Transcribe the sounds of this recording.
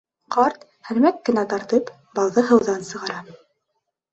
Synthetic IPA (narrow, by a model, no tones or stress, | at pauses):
qɑɾt̪ | hæ̆lmækːɘ̆næt̪ɑɾt̪ɤp | bɑlˠðɤɦɤ̆wðɑnsɤ̆ʁɑɾɑ